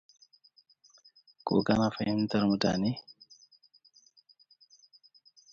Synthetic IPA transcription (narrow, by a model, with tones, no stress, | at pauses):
ko̰˨ka˦na˨fa˨ji˦mn˦t̪a˦ɾmu˨ta̰˨ni˦